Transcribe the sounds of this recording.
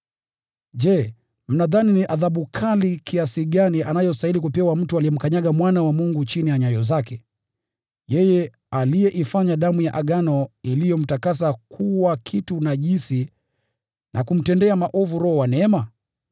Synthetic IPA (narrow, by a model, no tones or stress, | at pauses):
ʄɛ | m̩naðaniniʔaðaɓukʰalikʰiasiɠaniʔanajɔstailikupɛwam̩tualijɛm̩kaɲaɠamwanawamuŋɡut͡ʃinijaɲajɔzakɛ | jɛjɛ | alijɛʔifaɲaɗamujaʔaɠanɔilijɔm̩takas̬akʰuwakʰitunaʄinsi | nʔakum̩tɛndɛamaʔɔvuɾɔhɔwanɛɛma